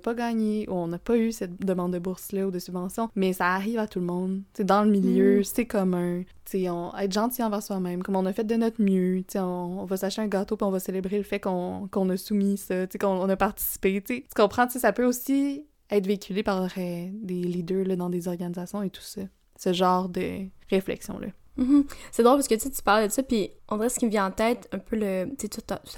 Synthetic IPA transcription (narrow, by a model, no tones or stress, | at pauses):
pʌɡɑːɲeʔuɔ̃nɐpʌysɛt̪̚d̪əmɑ̃d̪ːəbʊʁslʌud̪əsybvɑ̃sjɔ̃mɛsaːʁiːvat̪ulmɔ̃d̪t͡sed̪ɑ̃ləmiljøsekɔmɛ̃ | t͡seɔ̃ɛ̰t̪ʒɑ̃t̪ijɑ̃vɛʁswamɛ̃mkɔmɔ̃nɐfɛt̪̚d̪ənɔt̪mjøt͡seɔ̃ːvɐsaʃeɛ̃ɡat̪opiɔ̃vʌselebʁeləfɛkɔ̃kɔ̃nəsumisʌtt͡sekɔ̃ɔ̃nʌpaʁt̪i̥si̥pet͡sesə̥kɔ̃pχɑ̃t͡sesapøosi | ɛt̪veikʲʰylepaʁʁɛd̪elid̪øːləd̪ɑ̃d̪ezɔʁɡanizasjɔ̃et̪u̥sʌ | səʒɑ̃ːʁd̪ə̰ʁeflɛ̰ksjɔ̰̃lʔʌ̰m̩ɦm̩sɛd̪ʁolpaskət̪t͡set̪y̥paʁld̪ət̪sɔpiɔ̃d̪iʁɛsə̥kʲimvjɛ̃ɑ̃t̪ɛːt̪ɛ̃pølət͡set̪ut̪t̪